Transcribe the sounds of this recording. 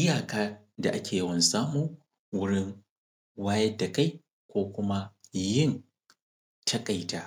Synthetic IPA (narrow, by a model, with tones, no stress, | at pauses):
ʔɪ˦jaː˨kaː˦ | da˨ʔa˦kʲeː˨jɐ˦wɐ˨nsaː˦muː˨ | wʊ˦ɽɪ˦ŋ | waː˦jɐ˦dːa˨ka˦j | kʷoː˦kʷʊ˦ma˦jɪ˦˨n | tʰɐ˦kʼa˨jtaː˦